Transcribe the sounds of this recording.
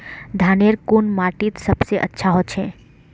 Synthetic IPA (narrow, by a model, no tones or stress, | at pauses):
d̪ʱaneɾkunmaːʈit̪səbseʔə̰tːʃʰaɦot̪t͡ʃʰẽ